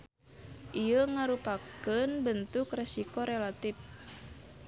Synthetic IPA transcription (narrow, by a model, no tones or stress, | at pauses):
ʔijəŋaɾupakənbənt̪ukrɛsikoɾelat̪if